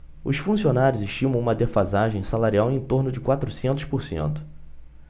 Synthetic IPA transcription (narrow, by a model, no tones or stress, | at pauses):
ʊsfũsionaɾjʊzɪʃt͡ʃĩmɐ̃w̃ũmɐd̪efazaʒẽj̃salaɾiawẽj̃t̪oɾnʊd͡ʒɪkwat̪ɾʊsẽnt̪ʊʃpʊɾsḛ̃nt̪ʊ̥